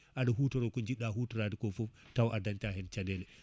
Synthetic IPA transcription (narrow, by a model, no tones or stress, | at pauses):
ʔadaɦuːtɔɾɔkɔnd͡ʒiɗːahutɔɾadikɔfɔ | tawʔadantaɦɛnt͡ʃadɛlɛ